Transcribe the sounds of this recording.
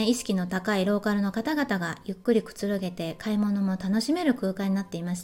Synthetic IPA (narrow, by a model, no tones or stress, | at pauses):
iɕi̥kʲino̞t̪akaiɾo̞ːkaɾɯ̟no̞kat̪aɡat̪aɡajɯ̟kːɯ̟ɾʲikɯ̟̥t͡sɨɾɯ̟ɡe̞t̪e̞kʰaimo̞no̞mo̞t̪ano̞ɕime̞ɾɯ̟kɯ̟ːkaɲ̟inat̪ːe̞imaɕi̥t̪